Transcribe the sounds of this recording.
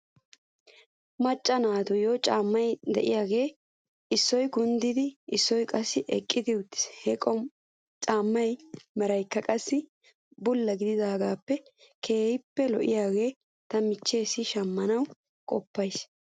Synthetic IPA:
mɐt͡ʃʼːɐnaːt̪ʊjoːt͡ʃʼaːmːɐjd̪ɛ̰ʔɪjaːɡe̞ː | ɪsːɔjɡʊnd̪ɪd̪ɪɪsːɔjkʼɐsːɪʔɛkʼːɪd̪ɪʊt̪ːɪ̥shɛkʼɔ | t͡ʃʼaːmːɐjmɛɾɐjkːɐkʼɐsːɪ | bʊlːɐɡɪd̪ɪd̪aːɡaːpːɛ | kʰe̞ːhɪpːɛlɔʔɪ̰jaːɡe̞ː | t̪ɐmɪt͡ʃːe̞ːsːɪʃɐmːɐnɐw | kʼɔpːɐjs

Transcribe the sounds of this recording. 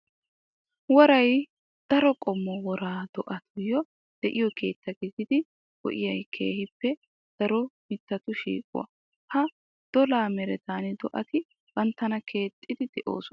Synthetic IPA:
wɔɾɐj | d̪̥ɐɾɔkʼɔmːɔwɔɾaːd̪ɔʔɐt̪ʰʊjɔ | d̪̥ɛʔɪjɔkʰe̞ːt̪ːɐɡɪzɪd̪ɪ | wɔ̰ʔɪjɐjkʰḛːhɪpːɛ | d̪̥ɐɾɔmɪt̪ːɐt̪ʊʃḭːkʼʊ̰wɐ̰ | hɐ | d̪̥ɔlaːmɛɾɛt̪aːnɛd̪ɔʔɐt̪ɪ | b̥ɐnt̪ːɐnɐkʰe̞ːt̪ʼːɪd̪ɪd̪ɛʔo̞̰ːsɔnɐ

